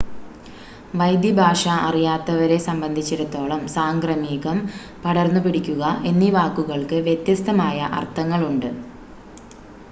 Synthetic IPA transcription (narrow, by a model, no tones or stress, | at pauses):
ʋɐjd̪jɐbʱaːʂɐɐrijaːt̪ːɐʋɐɾe̞sɐmbɐnd̪ʱit͡ɕːiɾut̪ːo̞ːɭɐmsaːŋɡrɐmiːɣɐm | pɐɽɐrnːupiɽikʲːuɣɐʔe̞nːiʋaːkːuɣɐɭkɨʋjet̪jɐst̪ɐmaːjɐʔɐ̰rt̪ːɐŋːɐɭuɳɖɨ